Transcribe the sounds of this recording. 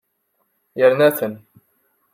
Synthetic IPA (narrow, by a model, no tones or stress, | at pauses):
jəɾnæθən